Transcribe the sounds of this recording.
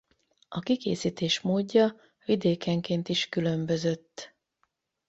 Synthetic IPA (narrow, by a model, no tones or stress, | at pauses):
ɒkikḛːsiːt̪eːʃmoːɟːɒ | vid̪eːkɛŋkeːnt̪iʃkylø̞mbø̞zø̞t̪ː